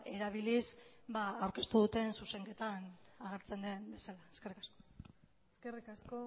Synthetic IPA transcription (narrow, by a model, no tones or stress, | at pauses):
e̞ɾaβ̞ilisbaːwɾke̞st̪uðut̪e̞nsuse̞ŋke̞t̪anaɣ̞e̞ɾt͡se̞nd̪e̞mbe̞salaeske̞rikasko̞ | eskerikasko